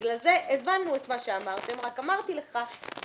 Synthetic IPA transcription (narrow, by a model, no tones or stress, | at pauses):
laze̞ʔevanːuet̪maʃeamaʁt̪e̞mʁakamaʁt̪ile̞χa